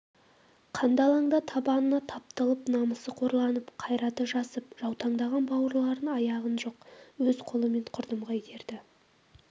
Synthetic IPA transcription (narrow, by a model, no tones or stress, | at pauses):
qʰɑnd̪ɑlˠɑɴd̪ɑt̪ʰɑbɑnənɑt̪ʰɑp̚t̪əlˠəpnɑməsəqʰo̞ɾlˠɑnəpqʰɑjɾɑt̪əʒɑsəp̚ʒ̥ɑwt̪ɑɴd̪ɑʁɑnbɑwəɾlˠɑɾənɑjɑʁənʒo̞q̚wɵzqʰo̞lˠəme̞ɴqʰʊɾd̪əmʁɑjet̪ʰe̞ɾd̪ɪ